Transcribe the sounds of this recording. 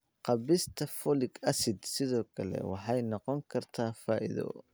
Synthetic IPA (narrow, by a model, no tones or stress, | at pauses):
qɑβɪst̪ʰɐfɔlɪɡɐsɪd̪sɪðɔːkʰɐlɛ̰wɑ̰ħɑjnɔqɔŋkʰɐrt̪ʰaːfaːʔɪ̰ðɔ̰